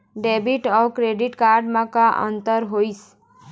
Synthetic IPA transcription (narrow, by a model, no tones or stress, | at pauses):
ɖebiʈɔkɾeɖiʈkaɾɖmãkaʔə̰nt̪əɾɦojs